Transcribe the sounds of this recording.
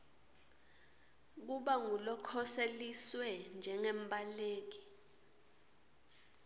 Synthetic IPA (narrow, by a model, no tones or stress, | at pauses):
k̬uɓaŋulɔkʰɔseliswɛnd͡ʒʱɛŋɛmbʱʼaleːk̬i̥